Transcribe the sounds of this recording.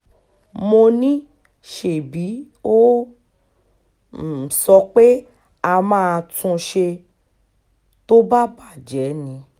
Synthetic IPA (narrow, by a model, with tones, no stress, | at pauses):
mo˧nĩ˦ | ʃe˨bi˨˦ | o˦˨ | sɔ˧k͡pe˦ | a˧mãː˦˧tũ˧ʃe˧ | to˦ba˦ba˦˨d͡ʒɛ˨˦nĩ˧